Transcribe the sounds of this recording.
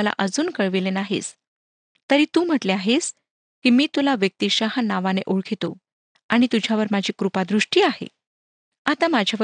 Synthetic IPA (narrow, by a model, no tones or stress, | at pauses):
əla̰ʔəd͡zuːnkəɭʋilenaɦḭs | t̪əɾiːt̪uːm̤əʈleaɦes | kiːmiːt̪ulaʋjək̚t̪iɕaɦnaʋanḛʔuɭkʰit̪o̰ | aɽ̃it̪ud͡ʑʱjaʋəɾmad͡ʑʱiːkɾupad̪ɾuʂʈiːahḛ | at̪amad͡ʑʱjaʋə